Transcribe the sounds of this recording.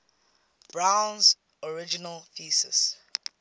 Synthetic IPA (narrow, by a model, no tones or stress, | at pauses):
b̥ɹãwnz | ɔɹɪd͡ʒinəlfiːsɛ̰s